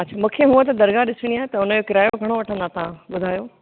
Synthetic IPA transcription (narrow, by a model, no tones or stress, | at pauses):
ɐt͡ɕʰaːmũːkʰeɦũə̃t̪ɐd̪ɐɾɡaɗɪsɪɽ̃iaːɦet̪ɐʊnəd͡ʑokɪɾaːjoɡʱɐɽ̃oʋɐʈʰə̃nd̪at̪ɐʋ̤ãɓʊd̪ʱaːjoː